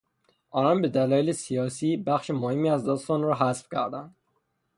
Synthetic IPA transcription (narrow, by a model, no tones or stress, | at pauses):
ɒnɒnbɪd̪alɒelisijɒsibaχʃɪmʊhɪmiæzd̪ɒst̪ɒnɾɔɦasfkʰʲæɾd̪an